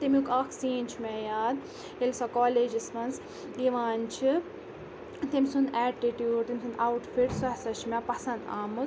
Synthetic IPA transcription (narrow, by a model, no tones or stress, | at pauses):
t̪emukɐkʰsiːnʲt͡ʃʰmɛjaːd̪ | jelsɐkoːleːd͡ʒismɐnz | iʋaːnt͡ʃʰi | t̪emʲsunɛːʈiʈjuːɖt̪emʲsunawʈfiʈsɔɦsɐt͡ʃʰmɛpɐsɐnd̪a̰ːmɨz